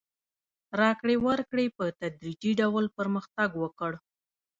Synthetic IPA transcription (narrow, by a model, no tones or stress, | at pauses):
ɾɑkɽewəɾkɽepət̪ad̪ɾid͡ʒiɖawlpəɾməxt̪aɡwəkəɽ